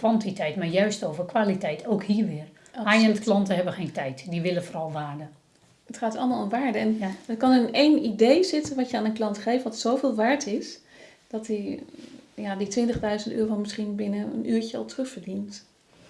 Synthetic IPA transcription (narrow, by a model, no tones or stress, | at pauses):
kʋɑntitɛjtmaːɹjœɥstowvərkʋaːlitɛjtʰowkhiəɹʋɪər | ajɛndklɑntəɦɛbəxeːntɛjtndiʋɪləfoːrɑlˠʋaːrdə | ətχaːtɔ̰lˠəmaːlˠomʋaːɹdəɛnəkɑnənejnidejzɪtəʋɑtjəaːnənklɑntχejftʋɔtsowvɪːlˠʋaːɹtɪs | d̥ɔti | jaditʋɪntəɣdœɥzəntø̰ːrʋɔmɪsχinbɪnəə̰nʔyːɹcəɔ̰lˠtrɵχfəɹdint